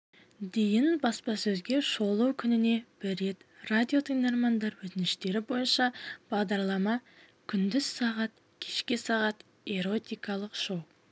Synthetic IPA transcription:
d̪e̞jɪnbɑspɑsɵzɡʲe̞ʃo̞lˠuwkʲʰʏnɪne̞b̥ɪɾːe̞t̪rad̪ʲijo̞t̪ʰijnd̪eɾmɑnd̪ɑɾwɵt̪ɪnɪʃt̪e̞ɾɪbo̞jənʃɑb̥ɑʁd̪ɑɾlˠɑmɑ | kʲʰʏnd̪ɪz̥sɑʁɑt̪ | kʲʰe̞ʃkʲesɑʁɑt̪ | e̞ɾo̞t̪ijkɑlˠəqʃow

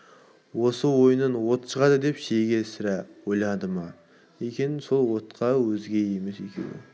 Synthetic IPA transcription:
wo̞səwo̞jənənwo̞t̪ʃəʁɑd̪əd̪e̞pʃeɡʲe̞sɪɾæwo̞jlˠɑd̪əmɑ | ekʲe̞nɪso̞lˠwo̞t̪qʰɑwɵzɡʲe̞je̞me̞sekʲʰḛw̪ɪ̰

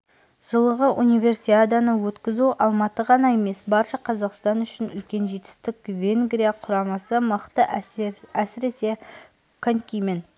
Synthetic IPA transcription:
ʒ̥əlˠəʁəʔunijvʲe̞rsiad̪anəwɵt̪kʲɪzuʔɑlˠmɑt̪əʁɑnɑe̞me̞sbɑɾʃɑqʰɑzɑqst̪ɑnʏʃɪnʏlkʲe̞nʒe̞t̪ɪ̥st̪ɪkʲvʲe̞ŋɡɾijaqʰʊɾɑmɑsəməqt̪ə | æsɪɾese̞ | kʰoŋkʲijmɪn

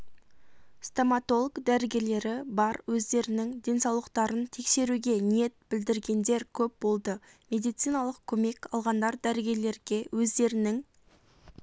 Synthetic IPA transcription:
st̪omat̪o̞lˠəɡd̪æɾɡʲe̞le̞ɾɪbɑɾwɵzd̪e̞ɾɪnɪŋd̪ʲe̞nsɑwlˠəqt̪ɑɾənt̪ʰe̞kse̞ɾuɡʲe̞nije̞t̪̚bɪld̪ɪɾɡʲe̞nd̪e̞ɾkʲʰɵp̚bo̞lˠd̪əmʲe̞d̪ijt̪sɨjnɑlˠəqkʲʰɵme̞kʲɑlˠʁɑnd̪ɑɾd̪æɾɪɡʲe̞le̞ɾɡʲe̞wɵzd̪e̞ɾɪnɪŋ

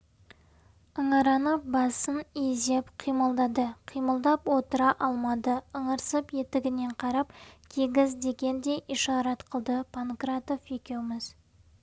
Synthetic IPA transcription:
əɴɑɾɑnəbɑsəneze̞pqʰijməlˠd̪ɑd̪əqʰijməlˠd̪ɑpwo̞t̪əɾɑʔɑlˠmɑd̪əəɴəɾsəpje̞t̪ɪɡʲɪne̞ɴqʰɑɾɑpkʲʰeɡʲɪzd̪e̞ɡʲe̞nd̪e̞jʔiʃɑɾɑt̪qʰəlˠd̪əpʰankɾat̪ofe̞kʲe̞wmɪz̥

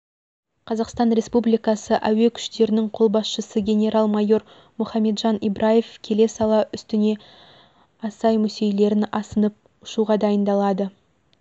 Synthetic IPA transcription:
qʰɑzɑqst̪ɑnɾʲe̞spublijkɑsəʔæwe̞kʲʰʏ̥ʃt̪e̞ɾɪnɪŋqʰo̞lˠbɑsʃəsəɡʲe̞nʲe̞ɾɑlˠmɑjo̞ɾ | mʊχɑme̞d̪ʒɑnibɾʔaje̞fkʲʰe̞le̞sɑlˠɑʔʏst̪ɪne̞ | ɑsɑjmɵse̞jle̞ɾɪnɑsənəp̚ | ʊʃuʁɑd̪ɑjənd̪ɑlˠɑd̪ə

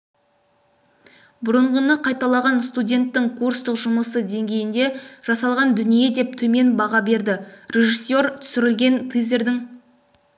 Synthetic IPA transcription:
bʊɾəɴʁənəqʰɑjt̪ɑlˠɑʁɑnst̪udʲe̞nt̪ːɪŋkʰurst̪əqʒʊməsəd̪e̞ŋɡʲe̞jɪnd̪e̞ʒ̥ɑsɑlˠʁɑnd̪ʏnije̞d̪e̞p̚t̪ʰɵme̞nbɑʁɑbe̞ɾd̪ɪɾe̞ʒisjo̞ɾt̪ʰʏ̥sɪɾɪlɡʲe̞nt̪ʰɨjze̞ɾd̪ɪŋ

